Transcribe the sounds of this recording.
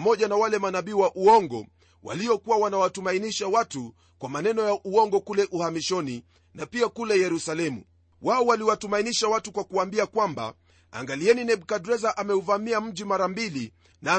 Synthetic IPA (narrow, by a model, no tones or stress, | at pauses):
mɔʄanawalɛmanaɓiːwaʔuɔŋɡɔ̰ | wa̰liɔkuwawanawatumainiʃawatu | kwamanɛnɔjaʔuɔŋɡɔkulɛʔuhamiʃɔni | napiakulɛjɛɾusalɛmṵ | waɔwaliwatumainiʃawatukwakuwaːmbiakwamba̰ | a̰ŋɡaliɛninɛɓkadɾɛzaʔamɛuvamiam̩ʄimaɾambili | naː